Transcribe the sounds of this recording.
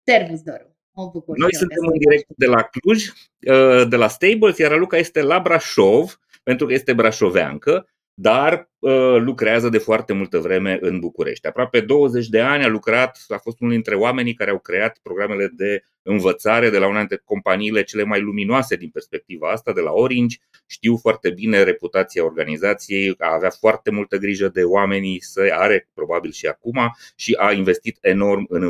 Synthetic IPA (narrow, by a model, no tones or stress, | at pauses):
servisd̪oɾ | abukuno̞jssɨnt̪e̞mɨnd̪iɾe̞k̚t̪d̪e̞lakluʒʲ | əd̪e̞last̪ejbolzjaɾalukaje̞st̪e̞labɾaʃo̞v | pe̞nt̪ɾukəje̞st̪e̞bɾaʃo̞va̰ŋkə | d̪ar | əlukɾeazəd̪e̞foart̪e̞mult̪əvɾe̞me̞ʔɨnbukuɾḛʃt̪ʲapɾoape̞d̪o̞wəze̞t͡ʃʲd̪e̞anʲalukɾat̪afo̞st̪unuld̪int̪ɾe̞oame̞nijkaɾeawkɾe̞at̪pɾo̞ɡɾame̞le̞d̪e̞ | ɨnvət̪saɾe̞d̪e̞launad̪it̪ɾeko̞mpaniːle̞t͡ʃe̞le̞majluminoase̞d̪inpe̞rspe̞k̚t̪ivaast̪ad̪e̞la̰o̞ɾind͡ʒʲ | ʃt̪iwfoart̪e̞bine̞ɾe̞put̪at̪siao̞rɡanizat̪sije̞jaːveafoart̪e̞mult̪əɡɾiʒəd̪e̞oame̞nisəjaɾe̞pɾo̞babilʃia̰kumaʃiʔainve̞st̪it̪e̞no̞rmɨn